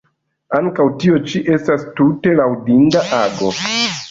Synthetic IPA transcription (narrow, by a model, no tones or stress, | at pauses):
aŋkawtio̞t͡ʃiʔe̞stastute̞lawdindaʔaɡo̞